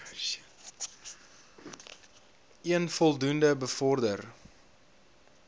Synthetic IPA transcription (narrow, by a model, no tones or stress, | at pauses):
iənfɔlˠdundəbəfɔrdər